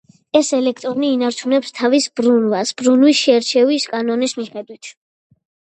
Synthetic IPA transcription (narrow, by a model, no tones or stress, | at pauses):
ɛsɛlɛk̚ʰt̪ʼɾɔniːnaɾt͡ʃʰunɛpst̪ʰavisb̥ɾunvasb̥ɾunwisʃɛɾt͡ʃʰɛviskʼanɔnismiχɛd̪wit̪ʰ